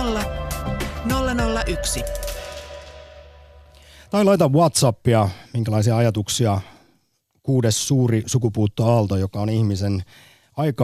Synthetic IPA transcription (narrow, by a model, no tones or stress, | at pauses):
ɑ | nolːɑnolːɑʔyksi | t̪ɑjlɑjt̪ɑʋuɑt̪sɑpːiɑmiŋkælɑisiɑɑjɑt̪uksiɑ | kuːdesːuːɾisukupuːt̪ːoɑlt̪ojo̞kɑoniçmisen | ɑjkɑ